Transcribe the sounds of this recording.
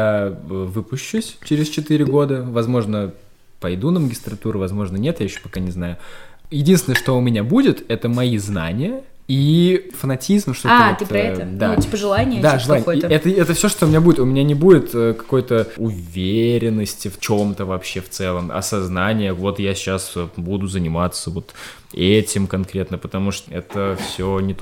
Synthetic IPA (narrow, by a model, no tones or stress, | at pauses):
jaəvɨpʊɕːusʲt͡ɕɪɾʲɪst͡ɕɪt̪iɾʲɪɡo̞d̪əvɐzmo̞ʐnə | pɐjd̪unəməɡʲɪst̪ɾɐt̪uɾʊvɐzmo̞ʐnənʲet̪jaɪɕːopɐkanʲɪznajʊjɪdʲinsʲɪnəʂt̪oʊmʲɪnʲabudʲɪt̪ɛt̪əmɐizna̰nʲɪjə | ifənɐtʲizmʂt̪oat̪ɨɾɐɛəd̪atʲipəʐɨlˠanʲɪjəd̪aʐɨlˠanʲkojɛt̪əɛt̪əfsʲoʂt̪oʊmʲɪnʲabudʲɪt̪ʊmʲɪnʲanʲɪbudʲɪt̪əkɐ̥ko̞jt̪əʊvʲeɾʲɪnːəsʲtʲɪft͡ɕo̞mt̪əvɐpɕːe̞ft̪sɛlˠəmɐ̰sɐznanʲɪjəvo̞t̪jasʲɪt͡ɕasbud̪ʊzənʲɪmat̪sːəvo̞t̪ | ɛtʲɪmkɐnkɾʲe̞t̪nəpət̪ɐmuʂt̪ɛ̰t̪əfsʲonʲɪt̪